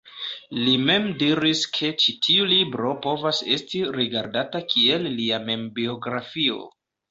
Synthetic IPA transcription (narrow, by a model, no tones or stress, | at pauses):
lime̞mdiɾiskʰe̞t͡ʃitʰiulibɾo̞po̞vase̞stiɾiɡaɾdatakʰie̞lːiame̞mbio̞ɡɾafio̞̰